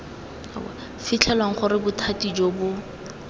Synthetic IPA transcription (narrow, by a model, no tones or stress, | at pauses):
fɪt͡ɬʰɛlwaŋ̩χʊɾɪbʊtʰatid͡ʒoːbʊ